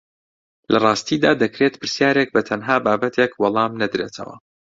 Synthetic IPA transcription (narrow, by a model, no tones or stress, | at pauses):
lɐrˤɑːst̪id̪aːd̪ɐkɾet̪pʰɨɾsjaːɾeːk̚bɐt̪ʰɐnɦaːbaːbɐt̪ʰekwɑlˠɑːmnɐd̪ɾeːt̪ʰɐ̰wɐ̰